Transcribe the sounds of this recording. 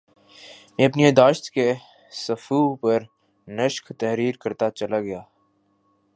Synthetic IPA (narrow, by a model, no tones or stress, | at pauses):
mẽːɐpnied̪aːʃt̪ke | sɐfupɐɾ | nəʃkt̪ɛɦɾiːɾkɐɾt̪at͡ʃɐlaɡɐjaː